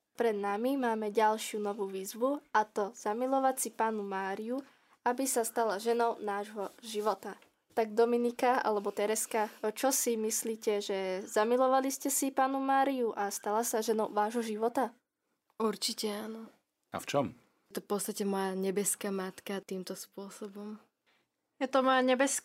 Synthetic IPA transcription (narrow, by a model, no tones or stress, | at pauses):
pɾɛd̪namimaːmɛɟalʃɪunɔʋuːʋiːzʋuat̪ɔz̥amilɔʋacsipaːnumaːɾiu | abisast̪alaʒɛnɔʊnaːʒɦɔʒiʋɔt̪a | t̪aɡ̚d̪ɔminikaa̰lɛbɔt̪ɛɾɛskat͡ʃɔsimisliːcɛʒɛzamilɔʋaliscɛsipaːnumaːɾiuʔast̪alasaʒɛnɔʊʋaːʒɦɔʒiʋɔt̪a | uɾt͡ʃicɛaːnɔ | a̰ft͡ʃɔm | t̪ɔfpɔt̪st̪acɛmɔjaɲɛbɛskaːmat̪kat̪iːmt̪ɔspʊɔsɔbɔm | jɛt̪ɔmɔjaɲɛbɛsk